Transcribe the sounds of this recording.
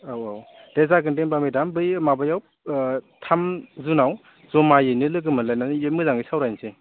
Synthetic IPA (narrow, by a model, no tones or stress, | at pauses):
awaw | d̥ezaɡɯndenbamedambɯjmabajaw | tʰamzunaw | zɔmajɯnɯlɯɡɯmɯlajnanjemɯzaŋisawɾajnse